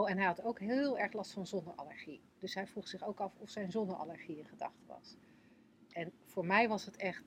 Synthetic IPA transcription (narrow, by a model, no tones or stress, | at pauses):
owɛnɦɛjɦɑtowkɦɪlˠɛɹχlɑstfɑnzɔndəɑ̰ləɹχi | d̥ɵsɦɛjvruχsɪχowkɑfɔfsɛjnzɔndəɹɑ̰ləɹχiɪnχədɑ̰χtəʋɑ̰s | ʔɛnv̥ʊːɹmɛjʋɑsɦətɛχt